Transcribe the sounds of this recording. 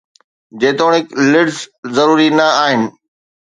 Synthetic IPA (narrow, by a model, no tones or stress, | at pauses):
d͡ʑeːt̪oːɽ̃ɦɪklɪɖzzɐɾuːɾinɐaːɦɪnɪ̆